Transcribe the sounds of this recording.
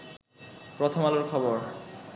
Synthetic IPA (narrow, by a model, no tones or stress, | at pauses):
pɾot̪ʰomaloɾkʰɔboɾ